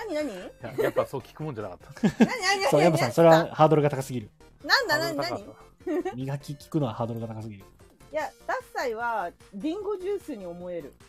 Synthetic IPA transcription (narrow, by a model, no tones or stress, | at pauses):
naɲ̟inaɲ̟ijajapːaso̞ːkʲi̥kɯmõ̞nd͡ʑanakat̪ːḁnaɲiasoːjamaãso̞ɾeahaːd̪o̞ɾɯ̟ɡat̪akasɨɡʲiɾɯ̟ | nãnd̪anaɲinaɲi | mʲiɡakʲikʲi̥kɯ̟no̞βahaːd̪o̞ɾɯɡat̪akasɨɡʲiɾɯ̟ | jad̪̥ãsːaiβabʲĩŋɡo̞ʑɨːsɨɲ̟io̞mo̞e̞ɾɯ̟